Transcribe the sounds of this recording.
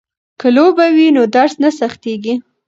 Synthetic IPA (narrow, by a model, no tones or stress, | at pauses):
kəlobawinod̪aɾsnasaxt̪eɡi